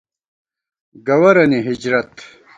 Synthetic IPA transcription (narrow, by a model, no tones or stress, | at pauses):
ɡɐwɐɾɐniɦid͡ʑɾɐt̪